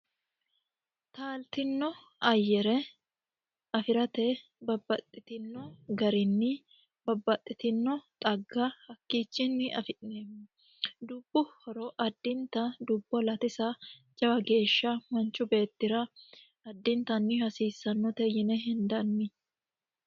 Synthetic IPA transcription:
t̪aːlt̪ɪnːɔ | ɐjːɛɾɛ | ɐfɪɾɐt̪ɛ | bɐbːɐt̪ʼːɪt̪ɪnːɔɡɐɾɪnːɪ | bɐbːɐt̪ʼːɪt̪ɪnːɔt̪ʼɐɡːahɐkːiːt͡ʃːɪnːɪʔɐ̰fɪᶑneːmːʊ | d̪ʊb̥ːʊhɔɾɔʔɐd̪ːɪnt̪ɐd̪ʊbːɔlɐt̪ɪsɐd͡ʒɐwɐɡe̞ːʃːɐmɐnt͡ʃʼːʊbe̞ːt̪ːɪɾɐ | ɐd̪ːɪnt̪ɐnːɪhɐsiːsːɐnːɔt̪ɛjɪnɛɦɪnd̪ɐnːɪ

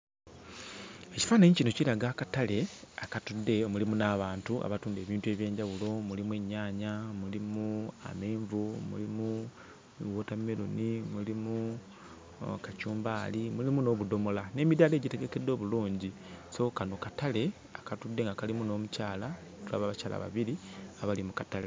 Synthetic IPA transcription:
eci̥faːneɲicinocilaɡakatale̞akatudːe̞omulimunaːβaːntuʔa̰βatuːnde̞ːβiːntue̞βje̞ːɲɟawulo̞mulimwe̞ɲːaːɲamulimua̰meːɱvumṵlimu | woːtamelunimulimu | kacuːmbaːlimulimuno̞ːβudo̞mo̞lane̞ːmidale̞ːɟite̞ɡe̞ke̞dːo̞ːβuluːɲɟiso̞kano̞katale̞ | akatudːe̞ŋɡakalimuno̞ːmucaːlatula̰βaβacaːla̰βa̰βiɾiaβalimukatale

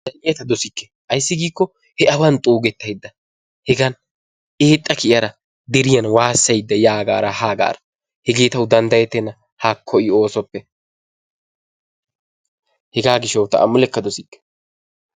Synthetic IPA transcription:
dɐnɪjɛt̪ɐd̪ɔsɪkːɛ̥ | ʔɐjsːɪɡiːkːɔ | hɛʔɐwɐnt̪ʼuːɡɛt̪ːɐjd̪ːɐ | hɛɡɐn | eːt̪ʼːɐkɪjɐɾɐ | d̪ɛɾɪjɐnwaːsːɐjd̪ːɐjaːɡa̰ːɾɐhaːɡa̰ːɾɐ̥ | hɛɡe̞ːt̪ɐwʊd̪ɐnd̪ɐjɛt̪ːɛnːɐ | haːkʰːɔʔɪo̞ːsɔpːɛ | hɛɡaːɡɪʃːɐwt̪ɐ̰ʔɐ̰mʊlɛkːɐd̪ɔsɪkːɛ̥

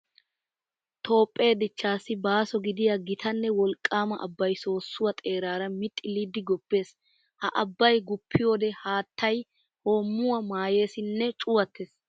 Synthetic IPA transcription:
t̪ʰo̞ːpʼːe̞ːd̪ɪt͡ʃːaːsːɪbaːsɔɡɪd̪ɪjɐɡɪt̪ʰɐnːɛwɔlkʼːaːmɐʔɐ̰bːɐjso̞ːsːʊwɐt̪ʼe̞ːɾaːɾɐmɪt̪ʼːɪlid̪ːɪɡɔbːe̞ːs | hɐʔɐbːɐjɡʊpʰːɪjo̞ːd̪ɛhaːt̪ʰːɐj | hoːmːʊwɐmaːje̞ːsɪnːɛt͡ʃʼʊwɐt̪ʰːeːs

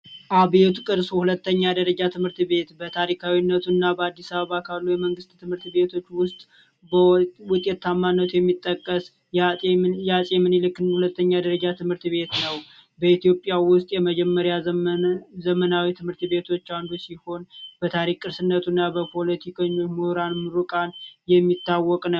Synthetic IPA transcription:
ʔaβet̪kʼɨɾsuhulət̪ːəɲːad̪əɾəd͡ʒat̪ʰɨmhɨɾt̪be̞t̪bət̪ʰaɾikʰawinːət̪ʰunːabəad̪ːisaβəβakʰalːujɛməŋɡɨst̪t̪ʰːɨmhɨɾt̪be̞t̪ʰo̞t͡ʃːwʊst̪ʼ | bəwʊt̪ʼjɛt̪ːamːanːət̪ʰujɛmːit̪ʼːəkʼːəs | jajasʼemɨnɨlɨkːɨnhulət̪ːəɲːad̪əɾəd͡ʒat̪ʰɨmhɨɾt̪βe̞t̪nəwbəit̪jo̞pʼjawʊst̪ʼjɛməd͡ʒɛmːəɾja | zəmənawit̪ʰɨmhɨɾt̪be̞t̪ʰo̞t͡ʃːand̪usiho̞nb̥ət̪ʰaɾikʼːɨɾsɨnːət̪ʰunːabəpʰo̞lət̪ʰikʰəɲːomuɾanmɨɾukʼanjɛmːit̪ːawːɔkʼnə

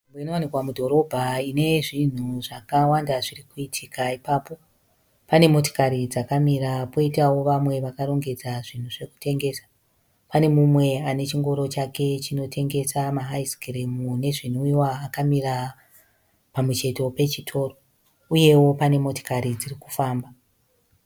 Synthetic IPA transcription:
mbeino̞wanikwamudʱo̞ɾo̞bʱaine̞ʐin̤uʐakawandaʐirikuitʰikaipaːpo̞ | pane̞mo̞to̥kaɾid͡zakamiɾapo̞itawo̞ʋamwe̞ʋakaro̞ŋɡe̞d͡zaʐin̤uʐe̞ku̥tʰe̞ŋɡe̞sḁ | pane̞mumwe̞ane̞t͡ʃiŋɡo̞ɾo̞t͡ʃake̞t͡ʃino̞tʰe̞ŋɡe̞samaɦaiskeremune̞ʐin̤uiwaːkamira | pamut͡ʃe̞to̞pe̞t͡ʃitʰo̞ːro | uje̞wo̞pane̞mo̞to̥kaɾid͡zirikufaːmba

